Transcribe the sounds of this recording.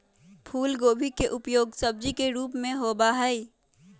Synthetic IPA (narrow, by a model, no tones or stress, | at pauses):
pʰuːlɡoːbʱikeʔʊpjoːɡsəb̚d͡ʒikeɾuːpmẽɦoːbaɦɛi